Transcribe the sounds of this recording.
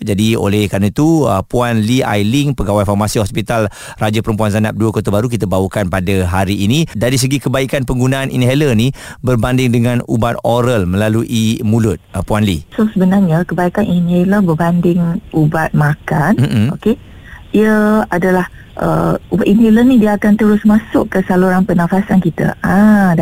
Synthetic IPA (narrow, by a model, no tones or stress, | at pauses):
d͡ʒadio̰lɛhkaɾnət̪uəpuanlia̰jlɪŋpəɡawajfɔrmasiɦɔspit̪al | rad͡ʒapəɾəmpuanzanap̚duəkot̪abaɾuk̬it̪abawəkanpadaɦaɾiːnĩdaɾis̬əɡikəbaikanpəŋɡunaʔanʔḭnɦɛlənibərbandɪŋdəŋãnubat̪̚oɾəlmə̃laluʔimulʊt̪̚puanlḭsosəbənarɲakəbaikaninɦeləbərbandɪŋubat̪̚makan̩o̰ke | iəadalah | ʔə̰ubat̪inɦelənidiəakant̪əɾʊsmasʊʔkːəsaloɾanpənãfasankit̪ə̰ã